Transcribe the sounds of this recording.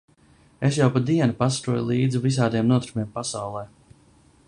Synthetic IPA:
es̬jawpad̪iɛnupast̪ɾuɔjlˠiːd̪zivis̬aːd̪iɛmnuɔt̪ɾumiɛmpasawlˠɛː

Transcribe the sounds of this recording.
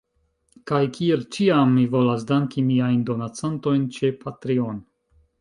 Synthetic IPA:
kajkʰie̞lt͡ʃiamːivo̞las̬daŋkimiajndo̞nat͡santo̞jnt͡ʃe̞pʰatɾio̞n

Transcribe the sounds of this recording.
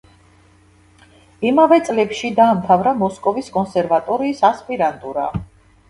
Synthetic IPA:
imavɛt̪sʼlɛpʃid̪aːmt̪ʰavɾamɔskʼɔviskʼɔnsɛɾvat̪ʼɔɾiːsaspʼiɾant̪ʼuɾa̰

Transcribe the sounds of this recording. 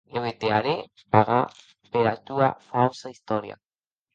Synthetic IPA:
eβet̪eaɾe | paɣa | peɾat̪uafawsaist̪oɾia̰

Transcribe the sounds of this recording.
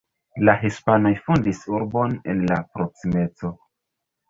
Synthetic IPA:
laɦispano̞jfundisuɾbo̞nḛnla̰pɾo̞ksime̞t͡so̞

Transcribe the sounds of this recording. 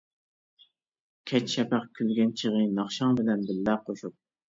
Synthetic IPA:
kʲʰɛt͡ʃʃɛpæχkʲʰylɡʲɛnt͡ʃʰəʁɨnɑχʃɑŋbɪlɛnbɪlːɛqʰoʃup̚

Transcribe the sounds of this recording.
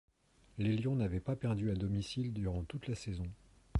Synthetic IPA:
leljɔ̃navɛpapɛʁd̪yad̪ɔmisild̪yʁɑ̃t̪ut̪lasɛzɔ̃

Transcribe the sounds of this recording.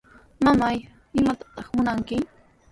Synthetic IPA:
mamaj | ɪmat̪ḁt̪ɑχmʊnaŋkɪ

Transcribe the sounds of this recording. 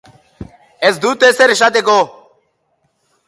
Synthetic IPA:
esd̪ut̪eseɾʃat̪eko

